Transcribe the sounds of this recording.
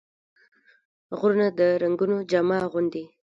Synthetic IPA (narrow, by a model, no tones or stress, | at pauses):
ɣɾunad̪əɾaŋɡunod͡ʒamɑɣʊnd̪i